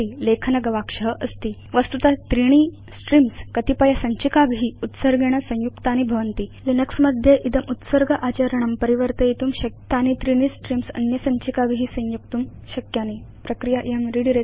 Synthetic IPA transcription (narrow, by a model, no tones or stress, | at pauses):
ilekʰnɐɡɐʋakʂəɦəʔəst̪iː | ʋəst̪ut̪at̪ɾiɳ̃i | sʈɾimskət̪ipajasəɲt͡ɕikabɦiːut̪səɾɡʱeɽ̃asə̃w̃jukt̪añibʱɐʋənt̪iːlinəksməd̪ʱjeʔit̪əmʔut̪səɾɡəʔat͡ɕaɾəɳ̃əmpəɾiʋəɾt̪əit̪uːmɕɐk̚t̪anit̪ɾiɽ̃isʈɾimsɐ̰njəsəɲt͡ɕikabiɦiːsə̃w̃jukt̪uːm | ɕɐkjani | pɾəkɾijaʔjəmɾiɽiɾe